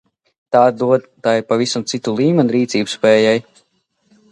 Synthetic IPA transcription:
t̪aːd̪uɔd̪t̪aːjiɾpavisamt̪sit̪ulˠiːmʲɛnuɾiːt̪siːbspɛːjaj

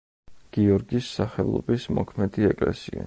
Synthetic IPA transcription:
ɡ̥iɔɾɡisːaχɛlˠɔ̰bismɔkʰmɛd̪iɛkʼlɛ̰sia

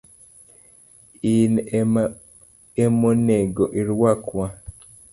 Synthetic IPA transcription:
in | emoneɡɔʔiɾwakwa

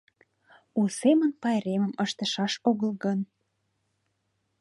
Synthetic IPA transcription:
usemənpɑeɾeməməʃt̪ə̆ʃɑʃoɣəlɣɤn

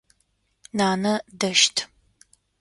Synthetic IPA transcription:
naːnɐdɐʃtʰ

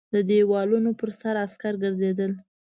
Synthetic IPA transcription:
d̪əd̪ewɑlunopəɾsaɾaskaɾɡəɾzed̪əl

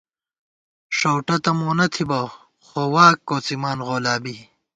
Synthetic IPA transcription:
ʂowʈɐt̪ɐmoːnɐt̪ʰibɐ | xowaːkːoːt͡simaːnʁoːlaːbi

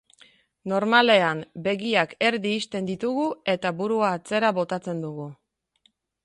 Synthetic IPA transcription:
no̞ɾmale̞ambe̞ɣiake̞ɾðiːst̪e̞nd̪it̪uɣue̞t̪aβuɾuaːt͡se̞ɾaβo̞t̪at͡se̞nd̪uɣu

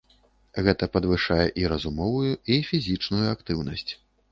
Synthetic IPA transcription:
ɣɛt̪ɐpɐd̪vɨʂajɛʔiɾɐzumɔvujuifʲizʲit͡ʂnujuakt̪ɨwnɐsʲt͡sʲ

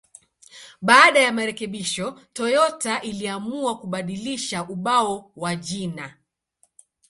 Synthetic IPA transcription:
ɓaːɗajamaɾɛkɛɓiʃɔtɔjɔtaʔiliamuakuɓaɗiliʃaʔuɓaɔwaʄina

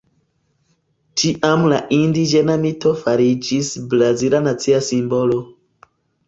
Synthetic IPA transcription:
t͡ʃiʔamlaʔindid͡ʒenamitofaɾid͡ʒisblaziɾanat͡siasimbolo

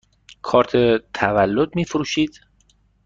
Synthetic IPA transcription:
kʰɒːɾt̪ʰet̪ʰævælːod̪̚miːfɾuːʃiːd̪̥

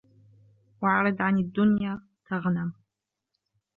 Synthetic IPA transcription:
waʕaɾɐdʕanidʊnjaː | tʰaʁənam

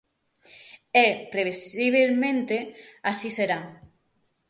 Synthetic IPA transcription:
ɛpɾeβesiβ̞elmẽnt̪easiseɾa

